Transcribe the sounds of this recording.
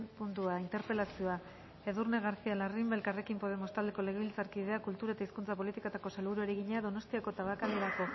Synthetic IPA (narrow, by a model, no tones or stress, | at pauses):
punt̪uaint̪e̞ɾpe̞lasio̞a | e̞ðurneɣaɾsialarimbe̞lkare̞kimpo̞ð̞e̞mo̞st̪ald̪e̞ko̞le̞ɣeβilt͡saɾkiðe̞akult̪uɾae̞t̪aiskunt͡sap̬o̞lit̪ikot̪ako̞salβuɾueɾeɣiɲeaðo̞no̞st̪iako̞t̪aβakald̪eɾako̞